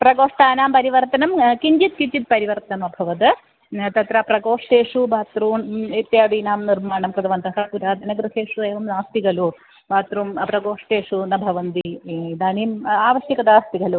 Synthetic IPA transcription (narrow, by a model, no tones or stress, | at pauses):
prɐɡoːʂʈaːnaːmpɐɾiʋɐrt̪ɐnɐmkiɲd͡ʒit̪kit͡ʃit̪pɐɾiʋɐrt̪ɐnɐmɐbʱɐʋɐt̪ɨ | t̪ɐt̪rɐprɐɡoːʂʈeːʂubʱaːt̪ɾuːnit̪jaːd̪iːnaːmnirmaːɳɐmkɾɐd̪ɐʋɐnd̪ɐɦɐpuɾaːd̪ʱɐnɐɡɾɨheːʂueːʋɐmnaːst̪iɣɐlu | bʱaːt̪rumprɐɡoːʂʈeːʂunɐbʱɐʋɐnd̪id̪aːniːmaːʋɐʂjɐkɐd̪aːst̪iɡɐlu